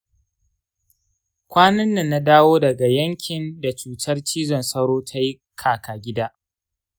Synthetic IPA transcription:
kʷaː˦nɐ˦nːa˨nːa˦daː˦woː˦dɐ˨ɡa˨jɐ˦ŋkʲʰɪ˨nda˨t͡ʃuː˨tʰɐ˦rt͡ʃiː˦zɔ˨nsɐ˦ɾoː˦tʰa˦ji˦ | kʰaː˨kʰaː˨ɡʲɪ˦daː˦

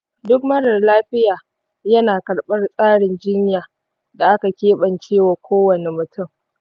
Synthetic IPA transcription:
dʊ˦kmɐ˦ɽɐ˨rlaː˦ɸɪ˦jaː˨ | jɐ˦naː˨kɐ˨ɽɓɐ˦rsʼaː˦ɽɪ˨nd͡ʒɪ˦ɲjaː˨ | da˨ʔa˦ka˨kʲeː˦ɓɐ˨nt͡ʃeː˦waː˨kʷoː˦wɐ˨ne˨mʊ˨tʊ˦˨m

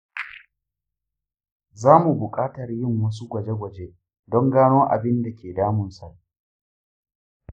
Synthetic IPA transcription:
zaː˦mu˨bʊ˨kʼaː˦tɐ˨rjɪ˦˨ŋwɐ˦s̬u˦ɡʷɐ˨d͡ʒe˦ɡʷɐ˨d͡ʒeː˦ | dɔ˦ŋɡaː˦noː˦ʔa̰˨bɪ˦nda˨kʲʰeː˨daː˦mʊ˨nsa˨ʔ

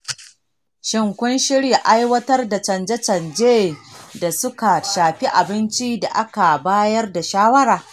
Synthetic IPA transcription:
ʃɪ˨ŋkʷʊ˦nʃɪ˦ɽja˨ʔa˦jwɐ˦tɐ˦rda˨t͡ʃɐ˨nd͡ʒɛ˦t͡ʃɐ˨nd͡ʒeː˦da˨sʊ˦ka˨ʃaː˨ɸi˦ʔa˨bɪ˦nt͡ʃi˦da˨ʔa˦ka˨baː˦jɐ˦rda˨ʃaː˦wɐ˦ɽaː˨

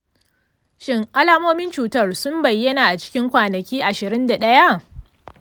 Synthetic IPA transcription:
ʃɪ˦ŋʔa˦laː˦moː˦mɪ˦nt͡ʃuː˨tɐ˦˨rsʊ˦mbɐ˨jːɐ˦naː˨ʔa˨t͡ʃɪ̥˦kʲɪ˦ŋkʷaː˨nɐ˨kʲiː˦ʔa˨ʃɪ˨ɾɪ˦nda˨ɗɐ˦ja˦ʔ

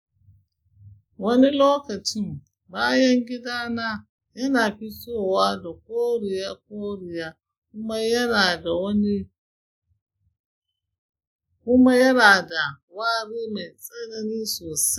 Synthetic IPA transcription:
wɐ˦ni˦loː˦kɐ˨t͡ʃɪ˦m | baː˦jɐ˦ŋɡʲɪ˦daː˦naː˦ | jɐ˦naː˨ɸi˦soː˦˨waː˦da˨k̚ʷoː˦ɽɪ˨ja˦k̚ʷoː˦ɽɪ˨jaː˦ | kʊ˦ma˦jɐ˦naː˨da˨wɐ˦ni˦ | kʷʊ˦ma˦jɐ˦naː˨da˨ | waː˦ɾeː˦ma˨jsʼɐ˦ɡɐ˦niː˦soː˨sa˦

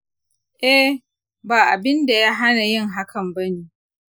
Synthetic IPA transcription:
ʔɛ˦ | baː˨ʔa˨bɪ˦nda˨ja˦ɦa˦na˨jɪ˦ŋɦa˦kʰɐ˨mbɐ˦neː˨

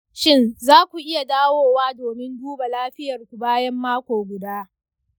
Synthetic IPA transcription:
ʃɪ˦˨nzaː˦kʷu˨ʔɪ˦ja˨daː˦woː˦waː˦doː˨mɪ˦nduː˦ba˨laː˦ɸɪ˦jɐ˨rkʷu˨baː˦jɐ˦mːaː˦kʷoː˨ɡʷʊ˨daː˦

